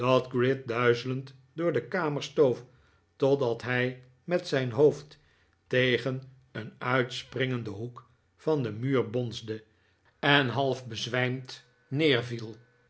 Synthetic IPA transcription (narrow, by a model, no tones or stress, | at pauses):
d̥ɑdɡrɪt̚dœɥzələnt | dʊːɹdəkaːməɹstowf | tɔdɑtɦɛj | mɛtsɛjnɦowft | tejχən | ənœɥtsprɪŋəndəɦuk | fɑndəmyːɹbɔnzdə | ɛnɦɑlˠfbəzʋɛjmt | nɪːɹvilˠ